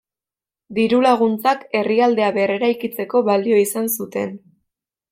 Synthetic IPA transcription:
d̪iɾulaɣ̞unt͡sake̞riald̪e̞aβere̞ɾajkit͡se̞ko̞βalio̞isansut̪e̞̰n

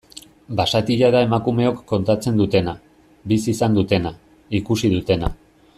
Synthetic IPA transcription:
basat̪iʎaðae̞makume̞o̞kːo̞nt̪at͡se̞nd̪ut̪e̞na | bisisand̪ut̪e̞na | ikusiðut̪e̞na

